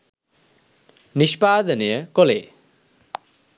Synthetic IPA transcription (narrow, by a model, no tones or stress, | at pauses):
nispad̪ənijəkɔle